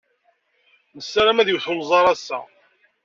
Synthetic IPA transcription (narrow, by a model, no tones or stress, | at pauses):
nəsːæɾæmæðjəwθʊlzˤɑɾˤɑsːæ̰